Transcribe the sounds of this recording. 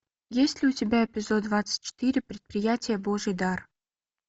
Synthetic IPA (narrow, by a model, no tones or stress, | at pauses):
jesʲt̪ʲlʲɪutʲɪbʲaepʲɪzod̪vɑt͡sːə̥tʲt͡ɕːɪ̥t̪iɾʲɪpɾʲɪt̪̚pɾʲɪjatʲɪjəboʒəd̪ɑr